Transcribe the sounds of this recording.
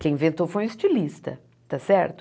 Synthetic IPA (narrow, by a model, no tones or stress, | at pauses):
kẽj̃ĩvẽnt̪ofoj̃ist͡ʃilist̪ɐ | t̪asɛɾt̪ʊ̥